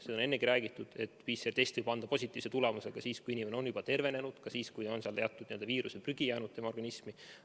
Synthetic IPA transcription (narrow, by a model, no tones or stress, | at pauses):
sed̪one̞nːekiɾæːɡ̥it̪ːˑud̪̥e̞t̪ːpiːsert̪est̪vɯjb̥ɑnd̪ɑposʲit̪ːˑiːv̥set̪ule̞muse̞ɡ̥ɑsiːskujinʲime̞neo̞njub̥ɑt̪e̞rve̞ne̞nud̪̥kɑsiːskujneo̞nseɑlt̪eɑt̪ːud̪nie̞ld̪ɑviːɾusepryɡ̥ijæːnud̪̥̚t̪ːemɑorɡɑnismi